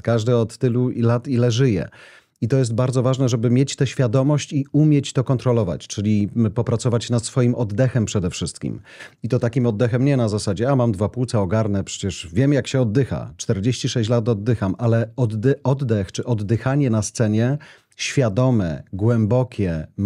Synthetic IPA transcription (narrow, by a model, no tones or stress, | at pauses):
kaʐd̪ɛɔt̪ːɘluilat̪ilɛʐɘjɛ̰ | it̪ɔjɛs̬t̪̚baɾd̪zɔvaʐnɛʐɛbɘmʲjet͡ɕt̪ɛɕfʲjad̪ɔmɔɕt͡ɕiumʲjet͡ɕt̪ɔkɔnt̪ɾɔlɔva̰t͡ɕt͡ʂɘlʲipɔpɾat̪sɔvat͡ɕnat̪sfɔjimʔɔd̪d̪ɛxɛmpʂɛd̪ɛfʂɘst̪kʲḭm | it̪ɔt̪akʲimɔd̪ːɛxɛmɲɛnazasad͡ʑɛamamd̪vaput̪sɛɔɡaɾnɛpʂɛ̥t͡ɕɛʂvʲjɛmjakɕɛɔd̪ːɘxa̰t͡ʂt̪ɛɾd͡ʑeɕt͡ɕiʂɛɕt͡ɕlat̪ɔd̪ːɘxamalɛɔd̪d̪ɛʔɔd̪d̪ɛxt͡ʂɘʔɔd̪ːɘxaɲɛnast̪sɛɲɛ | ɕfʲjad̪ɔmɛ̰ɡwɛmbɔkʲʰɛ